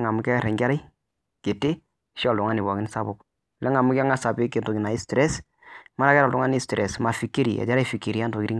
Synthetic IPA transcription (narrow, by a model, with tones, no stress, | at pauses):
ŋa˨mʊ˦kɛ˦ɾɛ˨ŋɡɛ˦ɾa˦j | ke˨tɪ˦ | ʃɔ˨ldʊ˨ŋa˦nɪ˨bɔ˨kɪ˦nɪ˦sa˦bʊ˨k | lɛ˦ŋa˨mʊ˦kɛ˦ŋa˦sa˨bɪ˦kɪ˨nto˨ɡɪ˨na˨ɪ˦stɾɛ˦s | ma˦ɾa˦kɛ˦ɾa˨ldʊ˨˦ŋa˦ni˦stɾʔɛ̰˨sma˨fi˨kːe˦ɾḭ˨ɛ̰˨da˦ɾa˦jfi˨ki˨ɾi˦a˦nto˨ki˨ɾi˦ŋ